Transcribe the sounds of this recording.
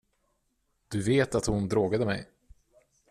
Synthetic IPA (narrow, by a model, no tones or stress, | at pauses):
d̪̥ɵveːt̪at̪hʊnd̪ɾoːɡad̪əmɛ̰j